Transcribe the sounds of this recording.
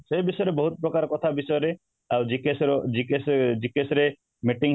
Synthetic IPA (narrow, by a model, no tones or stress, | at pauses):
sejbisɔjɔɾebɔɦut̪ɔpɾɔkaɾɔkɔt̪ʰabisɔjɔɾe | awd͡ʒikesɾd͡ʒikesd͡ʒikesɔɾe | meʈiŋɦ